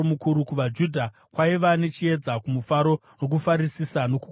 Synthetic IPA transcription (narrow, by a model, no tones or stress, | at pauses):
omukuɾukuʋad͡ʒudʱa | kwaiʋane̞t͡ʃie̞d͡zakumufaɾo̞ | no̞k̬ufaɾisisano̞ku